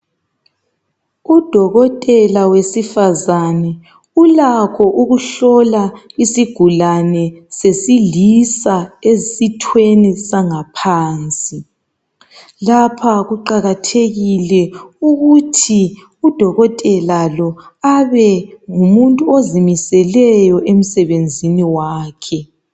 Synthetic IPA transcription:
ud̥ʱɔɣɔtʼɛlawesifazanɛ | ulakʰɔʔuɣuɬɔlaisiɡ̥ʱulanɛsesilisaezsitʰwenisaŋapʰaːnt͡sʼi | lapʰaɣuǃaɣatʰeɣilɛuɣutʰi | ud̥ʱɔɣɔtʼɛlalɔaβɛŋumuntʼuozimisɛlɛjɔʔem̩sɛβend͡zʱiniwaːkʰɛ

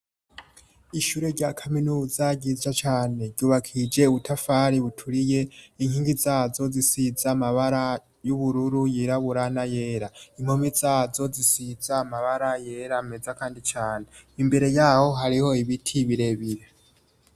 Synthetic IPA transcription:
iʃuɾe̞ɾɟakʰaminuːzaɟiːzd͡ʒat͡ʃaːne̞ɟuːβakʰid͡ʒe̞uβutʰafaɾiβutʰuɾije̞iŋ̥hiːŋɡizaːzo̞zisizaːmaβaɾa | juβuɾuɾujiɾaβuɾanaje̞ɾaim̥ho̞mizaːzo̞zisizaːmaβaɾaje̞ɾamezakaːndit͡ʃaːne̞imbe̞ɾe̞jaːho̞ɦaɾiho̞iβitʰiβiɾe̞βiɾe

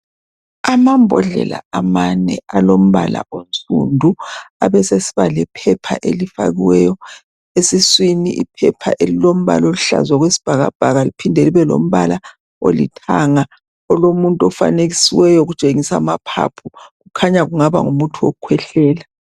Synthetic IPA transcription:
amambʱɔɮɛ̰la̰amanɛ̰alom̩βa̰la̰ont͡sʼṵndʱuaβɛsesiβalɛpʰɛpʰa̰ʔelifa̰ɣiwɛjɔ | esiswiniʔḭpʰɛpʰa̰ʔelilom̩βa̰laoliɬa̰zwaɣwesi̥b̥ʱaɣa̰b̥ʱaɣalipʰindʱeliβɛlo̰m̩βala | olḭtʰaŋa | ɔlomuntʼɔfa̰neɣisiwɛjɔɣut͡ʃʼeŋisamapʰa̰pʰuɣukʰaɲaɣuŋaβa̰ŋumutʰuwo̰kʰwɛɬɛːla

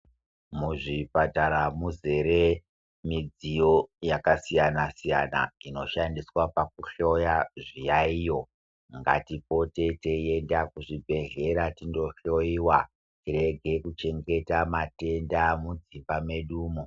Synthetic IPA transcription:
muʐipataɾamuze̞ɾe | mid͡zijo̞jakasijanasija̰na̰ino̞ʃandiswapak̚uɬo̞jaʐijaijo̞ | ŋɡa̰tipo̞te̞tee̞ndakuʐibʱe̞ɮe̞ɾatindo̞ɬo̞iwa | tire̞ɡʱe̞kut͡ʃe̞ŋɡe̞tamate̞ndamud͡zimbame̞ɗuːmo

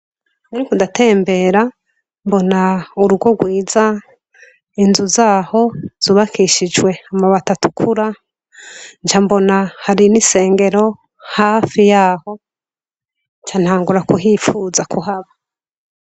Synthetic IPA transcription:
naɾikudatʰe̞ːmbe̞ɾa | mbo̞nauɾuɡwo̞ɡwiːza | inzuzaːho̞z̥uːβakʰiʃid͡ʒwe̞amaβatatukʰuɾa | nt͡ʃambo̞nahaɾinise̞ːŋɡe̞ɾo̞ | haːfijaːho̞ | nt͡ʃan̥haːŋɡuɾakuɦifuːzakʰuɦaβa

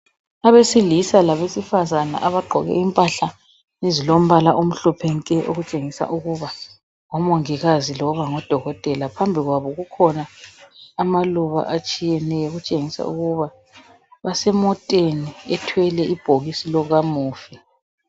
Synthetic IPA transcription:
aβesilisalaβesifazana̰ʔaβaɡ͡ǃʱɔɣɛ̰impʼaɬa | nezilom̩βalaʔum̩ɬɔpʰɛŋkʼɛʔo̰ɣut͡ʃʼeŋisa̰ʔuɣuβa | ŋɔmɔŋiɣazilɔɣaŋɔd̥ʱɔɣɔtʼɛlapʰambʱiɣwaβɔɣukʰɔna | amaluβa̰ʔat͡ʃʼijɛnɛjɔɣut͡ʃʼeŋisa̰ṵɣuβa | βasɛmɔtʼeniɛtʰwɛlɛib̥ʱoɣisilɔɣamuːfi

